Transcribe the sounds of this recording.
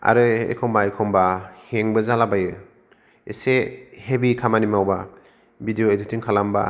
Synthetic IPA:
a̰ɾɯḛkʰɔmbaekʰɔmbaheŋbɯzalabajɯ | esehebikʰamanimawba | bidijoedutʰiŋkʰalamba̰

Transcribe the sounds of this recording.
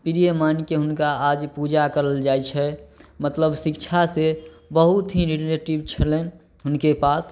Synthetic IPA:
piɾijemankeɦʊnkaad͡ʒpud͡ʒakəɾəld͡ʒajt͡ʃʰɛmət̪ləbsikt͡ʃʰasebəɦut̪ɦiɾileʈibt͡ʃʰəlẽ | ɦʊnkepas

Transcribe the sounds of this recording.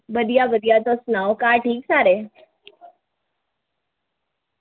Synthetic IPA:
bəd̪jabəd̪jat̪ɔsnawkaʈʰiːksaɾe

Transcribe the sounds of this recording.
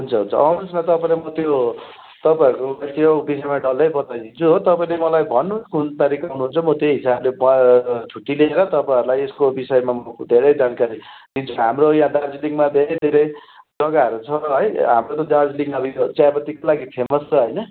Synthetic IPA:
ɦɦunt͡sʰʌɦunt͡sʰʌ̰ʌwnusnat̪ʌpaĩlemʌt̪jo | t̪ʌpaeɾkobʌt̪ijobis̬ʌmaɖʌlʌjbʌt̪ajd̪int͡sʰuɦot̪ʌpaĩlemʌlajbʱʌnːukunt̪ʌɾikaunuɦunt͡sʰʌmʌt̪joɦisablebʌtʰuʈileeɾʌt̪ʌpaɾulajeskobisʌemamʌd̪ʱeɾʌjd͡zankaɾid̪int͡sʰukɦamrojãd̪ard͡zliŋɡmad̪ʱeɾʌjd̪ʱeɾʌj | d͡zʌɡaɦʌɾut͡sʰʌɦʌjɦamrot̪ʌd̪ard͡zliŋɡʌbʱit͡sabʌt̪ikolaɡipʰemʌst͡sʰʌɦʌjnʌ

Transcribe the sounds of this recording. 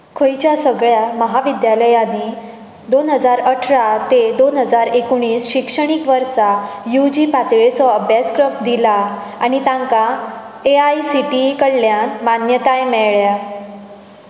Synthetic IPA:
kʰəjt͡ɕjasəɡɭjaməɦaʋid̪jaləjani | d̪onɦəd͡zaɾəʈʰɾat̪ed̪onɦəd͡zaɾekɽ̃iːsɕikʂəɽ̃ikʋəɾsajud͡ʑipat̪ɭet͡sɔəbʱjaskɾəp̚d̪ila | añit̪ãŋka | eajsiʈikəɽljãnmanjət̪ajmɛɭja

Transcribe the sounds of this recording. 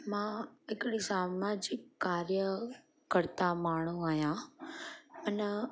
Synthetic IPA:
mãɪkɽisaːmad͡ʑɪkːaːɾjə | kəɾt̪amaːɳ̤̃ũaːɦijã | mən

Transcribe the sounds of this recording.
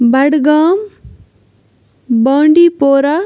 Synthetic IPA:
bɐɽɡam | bʌɳɖipoːɾa

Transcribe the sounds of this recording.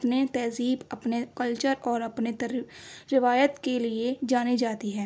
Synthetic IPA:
pnet̪ɛːziːbɐpnekəlt͡ʃəɾɔːɾɐpne | ɾɪʋaːjət̪kelied͡ʒaːnid͡ʒaːt̪iɦɛ̃ː

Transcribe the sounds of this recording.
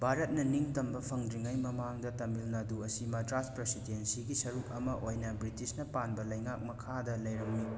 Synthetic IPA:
bʱaɾɐt̚nɐniŋtɐmbɐpʰɐŋdɾiŋajmɐmaŋdɐtɐmilnaduɐsimɐdɾaspɾesidensiɡisɐɾuk̚ɐmɐʔojnɐbɾitisnɐpanbɐlɐjŋak̚mɐkʰadɐlɐjɾɐmni

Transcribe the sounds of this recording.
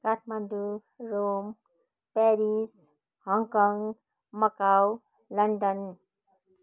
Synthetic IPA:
kat̪ʰmand̪u | ɾom | pɛɾis | hɔŋkɔŋɡ | mʌkaw | lʌɳɖən

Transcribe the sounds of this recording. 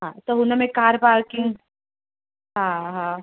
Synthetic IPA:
ɦãt̪oɦunamẽkaːɾpaːɾkɪŋɡ | ɦãɦã

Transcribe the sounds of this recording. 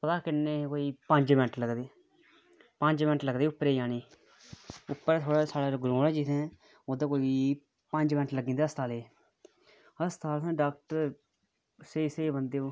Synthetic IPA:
pət̪aːkɪnːeːkoːiːpə̃ɲd͡ʒmɛɳʈləɡd̪eː | pə̃ɲd͡ʒmɛnʈləɡd̪eːʊpːɾeːiaːniː | ʊpːəɾːt̪ʰoːɽaːsaːɽaːɡɾõːɽɛːd͡ʒɪt̪ʰɛ̃ː | oːd̪aːkoːiiː | pəɲd͡ʒmɛ̃nʈləɡĩːnd̪aəst̪ʰaːleː | əst̪ʰaːlsãːɖaːk̚ʈəɾ | sesebənd̪eː

